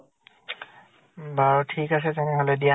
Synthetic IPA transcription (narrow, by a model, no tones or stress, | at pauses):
baɹɔtʰikas̬ɛtɛnɛɦɔlɛdija